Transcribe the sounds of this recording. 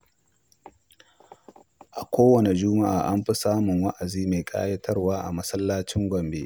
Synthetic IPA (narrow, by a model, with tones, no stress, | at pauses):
ʔa˨kʷoː˦wɐ˨ne˨d͡ʒʊː˦ma˦ʔa̰ː˨ʔa˦mɸi˦saː˦mʊ˨ŋwɐ˦ʔa˨ziː˦ma˨jkʼa̰ː˦jɐ˦tʰɐ˦rwaː˦ʔa̰˨mɐ˦sɐ˦lːaː˦t͡ʃɪ˦ŋɡʷɐ˨mbḛ˦